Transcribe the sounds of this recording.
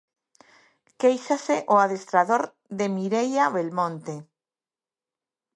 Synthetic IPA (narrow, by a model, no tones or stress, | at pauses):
kejʃaseʔoaðest̪ɾaðoɾ | ðemiɾejaβelmõnt̪e